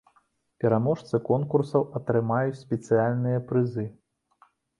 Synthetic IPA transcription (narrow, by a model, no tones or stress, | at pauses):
pʲɛɾamɔʂt̪sɨkɔnkursɐwɐt̪ɾɨmajut͡sʲsʲpʲɛt̪sɨjalʲnɨjɐpɾɨzɨ